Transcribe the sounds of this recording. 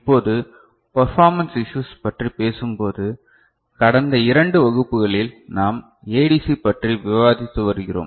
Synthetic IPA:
ɪpːoːðɯ | pɐɾfaːɾmɐnsɪʃuːspɐʈripeːsɯmpoːðɯ | kɐɽɐnd̪ɐɪɾɐɳɖɯʋɐɣɯpːɯɣɐɭɪlnaːm | eːɽisipɐʈriʋɪʋaːðɪt̪ːɯʋɐɾɯɣɪro̰ːm

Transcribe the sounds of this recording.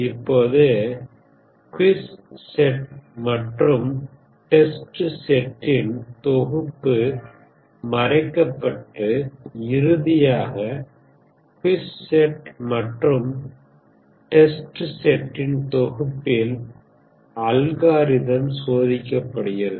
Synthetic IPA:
ɪpːoːðɯ | kwɪssɛʈmɐʈrɯm | ʈɛsʈɯsɛʈːɪnt̪ɔɣɯpːɯ | mɐɾɐɪkːɐpːɐʈːɯɪɾɯðɪjaːɣɐ | kʊwɪsːɛʈmɐʈrɯm | ʈɛsʈɯsɛʈːɪnt̪ɔɣɯpːɪl | ɐlɣaːɾɪðɐmsoːðɪkːɐpːɐɽɯjɐðɯ

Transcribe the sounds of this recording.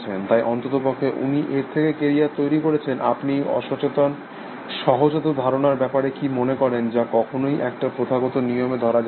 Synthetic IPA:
t͡ɕʰent̪ajʔɔnt̪ot̪opokʰːeʔṵniʔeɾt̪ʰekekeɾijat̪ojɾikoɾet͡ɕʰenʔa̰pniɔ̰ʃot͡ɕet̪an | ʃɔɦod͡ʑot̪od̪ʱaɾonaɾbɛpaɾekimonekɔɾend͡ʑakɔkʰonojʔɛk̚ʈapɾot̪ʰaɡot̪oniomed̪ʱɔɾad͡ʑ

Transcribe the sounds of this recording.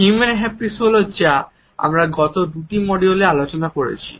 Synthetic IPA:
umenɦɛpɾisolod͡ʑa | a̰mɾaɡɔt̪od̪uʈimɔɖiolealot͡ɕonakoɾḛt͡ɕʰi̥̰

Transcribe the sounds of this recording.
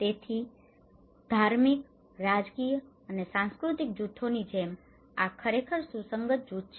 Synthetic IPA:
t̪et̪ʰi | d̪ʱaɾmik | ɾad͡ʒkijəənesãnskɾut̪ik̚d͡ʒut̪ʰonid͡ʒem | akʰəɾekʰəɾsusəŋɡət̪̚d͡ʒut̪t͡ʃ

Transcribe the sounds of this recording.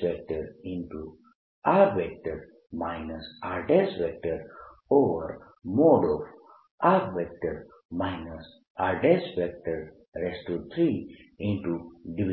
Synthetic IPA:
pɛk̚ʈəɾĩɳʈu | aɾʋɛk̚ʈəɾ | maɪnəsaɾɖesʋɛk̚ʈəɾ | oːʋə̰ɾ | moːɖɔf | aɾʋɛk̚ʈəɾ | maɪnəs | aɾɖesfɛk̚ʈəɾ | ɾesʈut̪ʰɾiĩɳʈuɖiʋi

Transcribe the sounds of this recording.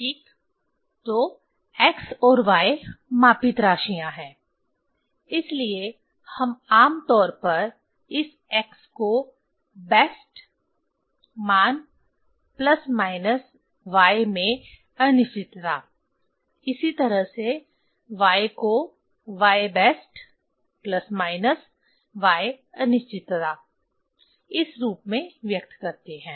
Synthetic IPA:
ʈiːk | t̪o | ɛksɔːɾʋaːemaːpɪt̪ɾaːʃijãɦɛ̃ː | ɪslie | hɐmaːmt̪ɔːɾpɐɾ | ɪs | ɛːksko | bɛːsʈ | maːn | plɐsmaːɪnəs | ʋaːemẽ | ɐnɪʃt͡ʃɪt̪t̪aː | ɪsit̪ɐɾəɦse | ʋaːeko | ʋaːebɛːsʈ | plɐsmaːɪnəs | ʋaːe | ɐnɪʃt͡ʃɪt̪t̪aː | ɪsɾuːpmẽʋjɐk̚t̪kɐɾt̪eɦɛ̃ː

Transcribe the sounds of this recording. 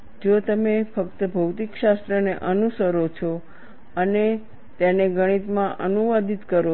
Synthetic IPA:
d͡ʒot̪əmefəkt̪əbʱəwt̪ikʃast̪ɾəneʔənusəɾot͡ʃʰo | əne | t̪eneɡəɽ̃it̪mãʔənuʋad̪it̪kəɾo

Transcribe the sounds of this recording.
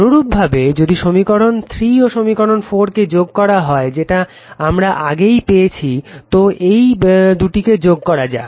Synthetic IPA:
oɾub̚bʱabed͡ʑod̪iʃomikɔɾont̪ʰɾioʃomikɔɾonfoɾked͡ʑoɡ̚kɔɾaɦɔed͡ʑeʈa | amɾaʔaɡejpejet͡ɕʰit̪oʔejd̪uʈiked͡ʑoɡ̚kɔɾad͡ʑa̰e

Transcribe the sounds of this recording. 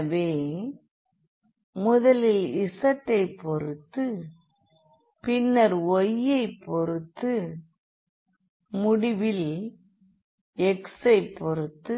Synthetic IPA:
ʋeː | mʊðɐlɪlɪsɐʈːɐɪpːɔɾɯt̪ːɯ | pɪnːɐɾɔjːɐɪpːɔɾɯt̪ːɯ | mʊɽɪʋɪl | ɛksɐɪpːɔɾɯt̪ːɯ

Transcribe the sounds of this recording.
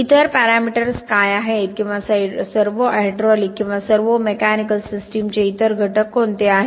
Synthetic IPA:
it̪əɾpæɾamiʈəɾskajaɦet̪kĩw̃ʋasaɖsəɾʋəʔɛɖɾɔlikːĩw̃ʋasəɾʋəmekænikəlsisʈimt͡ɕeit̪əɾɡʱəʈəkɦont̪eaɦe

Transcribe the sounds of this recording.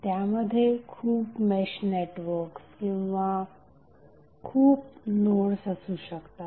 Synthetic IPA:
t̪jaməd̪ʱːjekʰuːpmeɕneʈʋəɾkskĩw̃ʋa | kʰuːpnoɽsəsuːɕəkt̪a

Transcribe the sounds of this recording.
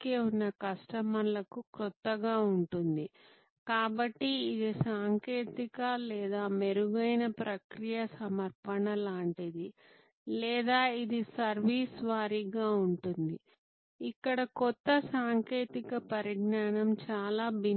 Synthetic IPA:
keːunːɐkɐsʈɐmɐnlɐkukɾɔt̪ːɐɡaːuɳʈund̪i | kaːbɐʈːiːd̪isaːŋkeːt̪ikɐlɛːd̪aːmeɾuɡɐjnɐpɾɐkɾijɐsɐmɐɾpɐɳɐlaːɳʈid̪i | lɛːd̪aːid̪isɐɾʋiːsʋaːɾiɡaːuɳʈund̪i | ikːɐɽɐkɔt̪ːɐsaːŋkeːt̪ikɐpɐɾiɡnaːɳɐmt͡ʃaːlaːbi

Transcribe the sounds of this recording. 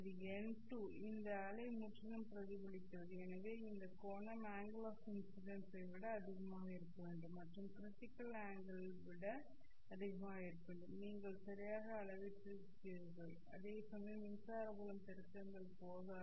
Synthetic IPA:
ɐðɯ | ɛɳʈu | ɪnd̪ɐːɭɐɪmʊʈrɐnɐmpɪɾɐðɪbɪɭɪk̪ːɐʋɐðɯɛnɐʋeːɪnd̪ɐkoːnɐmaːŋɡɭoːsɪnsɪɽɐnsɐɪʋɪɽɐɐðɪɣɐmaːɣɐɪɾɯkːɐʋeːɳɖɯmːɐʈrɯmkɾɪʈːɪkːɐlaːŋɡɐɭ | ʋɪɽɐ | ɐðɪɣɐmaːeːɾkɐːɳɖɯmniːŋɡɐɭsɐɾɪjaːɣɐːɭɐʋɪʈːɯ | tɪɾɯɣɐɭ | ɐ̰ðesɐnːɐnɪnsaːɾɐbɐɭɐmt̪ɛɾɯt̪ːɐŋɡɐɭpoːðɐ

